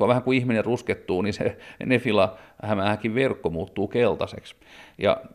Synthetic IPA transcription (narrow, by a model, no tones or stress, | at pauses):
ɑʋæhæŋkuihminerrusket̪ːuːnisḛnefilɑhæmæhækiʋʋerkːomuːt̪ːuːkelt̪ɑsḛks | jɑ̰